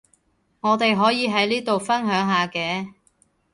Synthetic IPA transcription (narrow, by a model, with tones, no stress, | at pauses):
ŋɔː˨˧t̪e˨jɦɔː˨˥jiː˨˧ɦɐ˨˥jliː˥t̪o˨wfɐ˥nɦœː˨˥ŋɦaː˨˧kɛː˧